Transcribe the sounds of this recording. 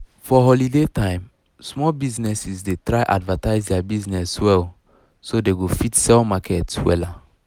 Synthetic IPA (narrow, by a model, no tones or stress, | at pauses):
fɔɦɔlidetãɪ̃m | smɔlbiznɛsisdetɹaɪʔadvataɪzdɛabiznɛswɛl | sodeɡofitsɛlmakʰɛtwɛ̰la